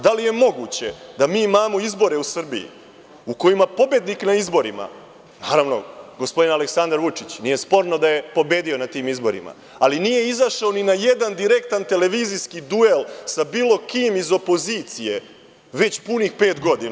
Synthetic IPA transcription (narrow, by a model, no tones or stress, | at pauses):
d̪alije̞mo̞ɡut͡ɕe̞d̪amiːimaːmo̞izbo̞ɾe̞usr̩bḭḭ | uko̞jimapo̞bje̞d̪niknaizbo̞ɾima̰ | naːɾaʋno̞̰ɡo̞spo̞d̪inaleksand̪ɾaɾʋut͡ʂit͡ɕnije̞spo̞ɾnod̪aje̞po̞be̞ːd̪io̞nat̪iːmizbo̞̰ɾḭma̰ | alinije̞izaʃaoninaje̞d̪and̪iɾe̞k̚t̪ant̪e̞le̞ʋiziskid̪ue̞lsabiːlˠo̞kiːmizo̞pozit̪sije̞ | ʋe̞t͡ɕpunixpeːt̪ɡo̞d̪ina